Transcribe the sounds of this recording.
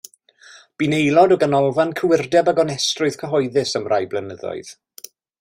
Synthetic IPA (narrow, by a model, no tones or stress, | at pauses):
b̥inejlˠɔdɔɡanɔlˠvankʰəwɪrdɛbaɡɔnɛstrʊɨð̥kʰəɦɔjðɨsəmrʔajblənəðɔ̰ɨð̥